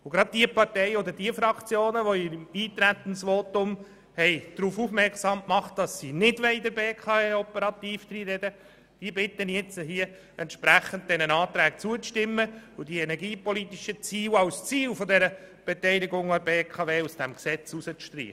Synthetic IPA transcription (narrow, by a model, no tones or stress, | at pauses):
ʊɡɾɑd̪̚d̥iəpɑɾtɛɪɔd̪ədiəfɾɑkt͡sjoːnəʋoɪmiːt̪ɾæt̪ənsʋoːt̪ʊm | hɛɪd̪̥ɾuːfufmɛɾksɑmkmɑχt̚d̥ɑsːiːnɪdʋɛɪdəɾbeːkʰɑːeːɔpəɾɑt̪iːfd̥ɾiːɾɛdə | d̥iəbɪt̪ːənjɛt͡səɦiːə | ɛnt̪ʃpɾæχən̩d̚d̥ɛnənɑːt̪ɾæːk̚t͡suət͡sʃtɪmːəʊdiɛnɛɾɡiːpɔlit̪iʃət͡siːlɑwst͡siːlfɔdɛɾəb̥ɛtɛɪliɡʊŋɑbeːkʰɑveːusd̥ɛmksɛt͡susət͡sʃtɾḭːə